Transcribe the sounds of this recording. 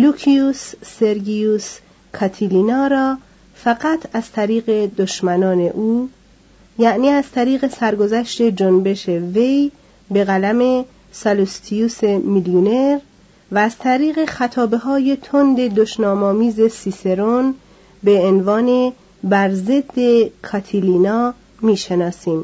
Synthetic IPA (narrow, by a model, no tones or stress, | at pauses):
lukʰiusːe̞ɾɡius | kʰɑt̪ʰilinɒːɾɒː | fæɡæt̪ʰæz̥t̪ʰæɾiːɣe̞d̪oʃmænɒːne̞̰ʔuː | jæʔniːæzt̪ʰæɾiːɣe̞sæɾɡo̞zæʃt̪e̞d͡ʒonbe̞ʃeve̞j | be̞ɣælæme̞ | sɑlust̪ʰiuːsemiljone̞ɾ | væːz̥t̪ʰæɾiːɣe̞xæt̪ʰɒːbe̞ɦɒːje̞t̪ʰond̪e̞d̪oʃnɒːmɒːmiːze̞sise̞ɾon | be̞ːnvɒːne̞ | bæɾze̞d̪ːe̞kʰɒt̪ʰiliːnɒː | miːʃe̞nɒːsiːm